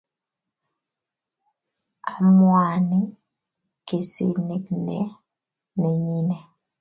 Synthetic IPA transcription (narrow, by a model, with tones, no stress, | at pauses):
a˨mwa˨ni˦ | ke˨sḛ˦˨ne˨knɛ˦ | ne˨ɲi˦nɛ˨